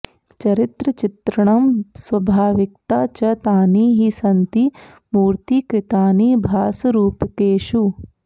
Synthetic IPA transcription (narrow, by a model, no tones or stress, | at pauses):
t͡ʃɐɾɪt̪ɾɐt͡ʃɪt̪ɾɐɳ̃ɐmswɐbʱaːʋɪk̚t̪aːt͡ʃɐt̪aːniːɦisɐnt̪i | muːɾt̪ikɾɪt̪aːniːbʱaːsɐɾuːpkeːʃu